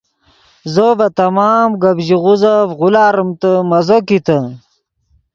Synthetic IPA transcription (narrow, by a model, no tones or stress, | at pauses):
zobɐt̪ɐmaːmɡɐbʑiʁuzafʁulaːɾəmt̪əmɐzokit̪ɐ